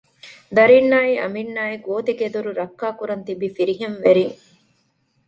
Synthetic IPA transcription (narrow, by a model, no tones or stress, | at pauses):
d̪ɐɾinːaːiʔɐ̰minːaːiɡoːt̪iked̪uɾuɾɐkːaːkuɾɐnt̪ibifiɾiɦenʋeɾiŋ